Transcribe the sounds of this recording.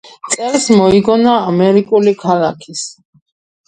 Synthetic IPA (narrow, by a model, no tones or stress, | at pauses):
t̪sʼɛɾsmɔiɡɔnaːmɛɾikʼulikʰalakʰis